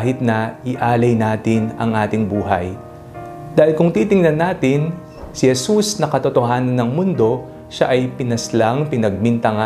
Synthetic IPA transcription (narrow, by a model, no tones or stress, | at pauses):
ɦɪt̪̚nɐʔɪʔaːlɐjnaːt̪ɪnɐ̰ŋʔaːt̪ɪŋbuːɦɐ̰j | d̪̥aːhɪlkʊŋt̪iːt̪ɪŋnɐnːaːt̪ɪn | sɪhɛsusnɐkɐt̪ot̪oɦaːnɐnːɐŋmʊnd̪o̞ | ʃaʔɐjpɪnɐslaŋpɪnɐɡ̚mɪnt̪ɐŋa